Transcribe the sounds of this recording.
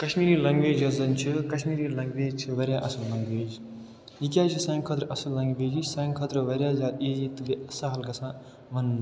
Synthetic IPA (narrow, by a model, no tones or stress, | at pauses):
kɐʃmiːɾiːlɐ̃ŋɡʋeːd͡ʒɐzɐnt͡ʃʰikɐʃmiːɾiːlɐ̃ŋɡʋeːd͡ʒt͡ʃʰiʋɐɾʲjaːʔɐsəllɐ̃ŋɡʋeːd͡ʒ | ikʲjaːt͡ʃʰisãːŋɡkʰɐt̪ɾɐsəlːɐ̃ŋɡʋeːd͡ʒisãːŋɡkʰɐt̪ɾʋɐɾjaːzaːd̪iːd͡ʒit̪ɨbeɐsaɦɐlkɐsãː | mɐn